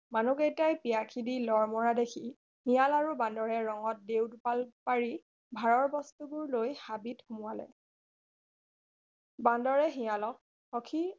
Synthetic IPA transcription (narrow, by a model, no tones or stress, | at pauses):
manuɡejtajpijakʰidilɔɹmɔɹadekʰi | hijalaɹubãndɔɹɛɹɔŋɔt̚dewdupalpaɹi | bʱaɹɔɹbɔstubuɹlojhabitxumʊwalɛ̰ | bandɔɹɛɦijalɔk̚ | xɔkʰi